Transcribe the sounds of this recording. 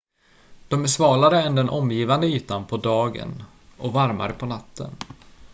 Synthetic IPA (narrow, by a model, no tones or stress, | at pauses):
d̪̥ɔmæʂvɑːlaɾəɛnd̪ɛnʔɔmjiːvand̪əyːt̪anpʰɔd̪ɑːɡə̰n | ʔɔvaɾma̰ɾəpʰɔnat̪ʰːə̰n